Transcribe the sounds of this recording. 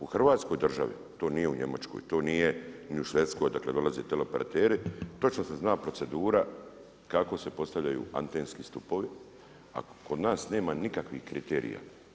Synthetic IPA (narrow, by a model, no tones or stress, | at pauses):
uxr̩ʋaːt̪sko̞jd̪r̩ʒa̰ʋḭt̪o̞ːnije̞uɲe̞̰ma̰t͡ʃko̰jt̪o̞ːniːje̞niuʃʋe̞t̪sko̞jd̪akle̞d̪o̞lazeːt̪elopeɾa̰t̪eːɾit̪o̞t͡ʃnoseznaːpɾo̞t̪se̞d̪uːɾa | kako̞se̞po̞st̪aʋʎajṵːa̰nt̪eːnskist̪upo̞ʋi | a̰kod̪naːsne̞ːmanikakʋihkɾit̪ḛːɾḭja̰